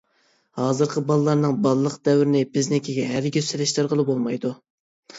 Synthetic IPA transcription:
hɑːzɨɾqʰəbɑlˠɨlˠɑɾnɨŋbɑlˠɨlˠəqd̪ɛwɾɪnɪbɪznɪkʲʰiɡʲɛɦæɾɡʲøsɪlɪʃt̪ɪɾʁəlˠɨbolˠmɑjd̪u

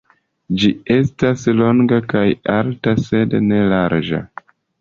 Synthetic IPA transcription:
d͡ʒie̞staslo̞ŋɡakajaltase̞dne̞laɾd͡ʒa̰

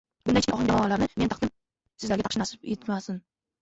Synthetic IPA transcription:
bʊndajt͡ʃʰɪɒχɨ̃ŋd͡ʒ̪amɒlaɾnɪment̪ɑqd̪ɪm | sɪzlaɾɡʲɪt̪ʰɑqʃɪnasɪpet̪masɪn

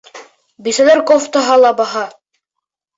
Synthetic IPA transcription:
bisælæɾkoft̪aɦɑlˠɑbɑɦɑ

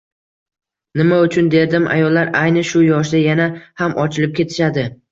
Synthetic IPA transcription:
nɪmaʊt͡ʃʰʊnd̪e̞ɾd̪ɪmʔa̰jɒlːaɾajnɪʃʊjɒʃ̬d̪ajanahamʔɒt͡ʃʰɪlɪp̚kʲʰe̞t̪ʰɪ̥ʃad̪ɪ

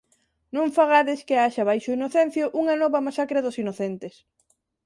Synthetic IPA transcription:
nõɱfaɣaðɪskeaʃaβajʃʊinoθen̟θjoʔuŋɐnɔβɐmasakɾɐðʊsinoθent̪es

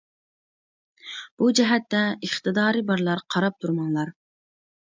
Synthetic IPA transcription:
b̥ud͡ʒɛɦɛt̪ːɛəχt̪ɨd̪ɑːɾɨbɑɾlˠɑɾqʰɑɾɑp̚t̪ʰuɾmɑŋlˠɑɾ

